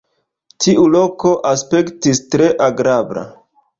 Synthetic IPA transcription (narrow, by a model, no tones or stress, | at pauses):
tʰiʔulo̞ko̞ʔaspe̞ktistɾe̞ʔaɡɾabɾa̰